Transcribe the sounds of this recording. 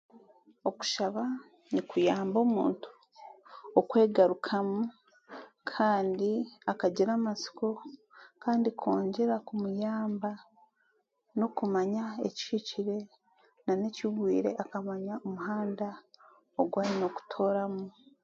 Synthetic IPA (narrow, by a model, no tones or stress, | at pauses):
oku̥ʃaβa | nikujaːmbo̞ːmṵːntu̥ | okwe̞ːɡaɾukʰamu | kʰaːndiakaɟiɾamasi̥ko̞ | kaːndikʰo̞ːɲɟe̞ɾakumujaːmba | no̞kumaɲaḛcʃiciɾe̞ | nane̞ciβwiːɾe̞̰ʔakamaɲaomuɦaːnda | oɡwaːɾino̞ku̥tʰo̞ːɾamu